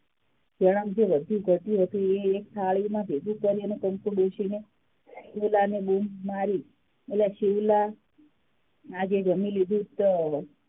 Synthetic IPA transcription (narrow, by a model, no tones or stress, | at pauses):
d͡ʒəɽ̃əmd͡ʒeʋəd̪ʱũɡʱəʈ̪jũɦət̪ũeːksʰaɭimãbed̪ũkəɾjənekəmpuɖoʃine | ʃiʋlanebummaɾi | etleaʃiʋla | ad͡ʒed͡ʒəmĩlid̪ʱũt̪ɔ